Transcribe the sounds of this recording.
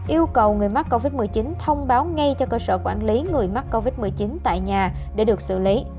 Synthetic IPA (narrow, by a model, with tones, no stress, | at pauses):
ʔi˧əwkə˨˩wŋɨ˨˩əjma˦˥t̚ko˧vi˦˥t̚mɨ˨˩əjt͡ɕi˨˦nt̪ʰə˧wŋ͡mɓaː˨˦wŋa˧jt͡ɕɔ˧kəː˧sə̰ː˧˩kwaː˧˩nli˨˦ŋɨ˨˩əjma˦˥t̚ko˧vi˦˥t̚mɨ˨˩əjt͡ɕi˨˦nt̪a̰ː˧˨jɲaː˨˩ | ɗe˧˩ɗɨ˨˩ək̚sɨ̰˧˩li˨˦